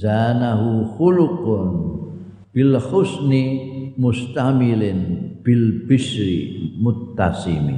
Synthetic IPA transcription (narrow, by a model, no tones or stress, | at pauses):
zanaɦuhulukon | pilhusnimust̪amilenpilpisɾḭmut̪ːasḭmḭ